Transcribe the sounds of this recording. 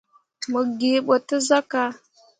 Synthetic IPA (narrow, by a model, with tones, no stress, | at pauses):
mə˨ɡi˨ɓʷo˨tə˦za˦ka˦